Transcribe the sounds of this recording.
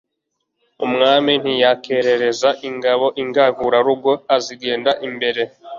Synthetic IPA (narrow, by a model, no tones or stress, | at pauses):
umŋaːmin̥hijake̞ɾe̞ɾe̞zaʔiŋɡaβo̞ʔiŋɡavuɾaɾuɡo̞aziɡe̞ːndaʔimbe̞ɾe̞